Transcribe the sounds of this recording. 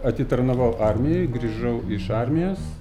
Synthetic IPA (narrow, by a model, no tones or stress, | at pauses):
ɐt̪ʲɪt̪ɐɾnɐʋɐʊʔɑɾʲmʲɪjɛɪɡɾʲiːʒɐʊɪʃɑɾʲmʲɪjoːs